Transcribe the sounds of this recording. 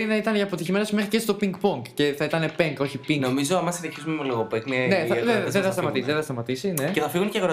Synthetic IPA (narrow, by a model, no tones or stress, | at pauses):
ɾinɐit̪ɐneʝɐːpo̞t̪içime̞nosmexɾicest̪o̞piŋɡpoŋkce̞θɐit̪ɐne̞peŋko̞çipiŋno̞mizoɐmɐst̪ɐçizumemuleɣopekmɐneθɐðeðenθɐst̪ɐmɐt̪isðeθɐst̪ɐmɐt̪isine̞ceθɐfiɣunceɣɾo